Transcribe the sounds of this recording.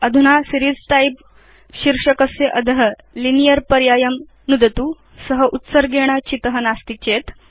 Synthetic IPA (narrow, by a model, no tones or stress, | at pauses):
ɐd̪ʱunaːsiɾisʈaip̚ | ʃiɾʂɐkɐsjɐʔɐd̪ʱɐɦɐ | linijɐɾpɐɾjaːjɐm | nud̪ɐt̪uː | sɐɦɐʔut̪sɐɾɡeːɳ̃ɐt͡ʃit̪ɐɦɐnaːst̪it͡ʃeːt̪